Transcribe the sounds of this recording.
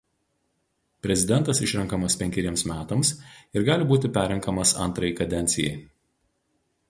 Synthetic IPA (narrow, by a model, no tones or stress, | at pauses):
pʲɾʲɛzʲɪd̪ʲɛnt̪ɐsɪʃʲɾʲɛŋkɐmɐspʲɛŋʲkʲɛɾʲiɛmsmʲæːt̪ɐmsɪɾɡɑːlʲɪbuːt̪ʲɪpʲæːɾʲɛŋkɐmɐsɐ̰nˑt̪ɾɐjɪkɐd̪ʲɛnʲt̪sʲɪjɛ̰ɪ